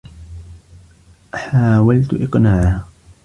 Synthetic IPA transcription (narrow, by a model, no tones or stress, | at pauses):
ħaːwalt̪ʔɪqnaːʕa